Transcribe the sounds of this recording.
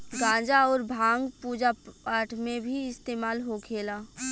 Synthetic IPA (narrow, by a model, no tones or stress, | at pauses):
ɡãːd͡ʒaɔːɾbʱãːŋɡpuːd͡ʒaaːɾʈʰmẽbʱiɪst̪eːmaːlɦokʰeːlaː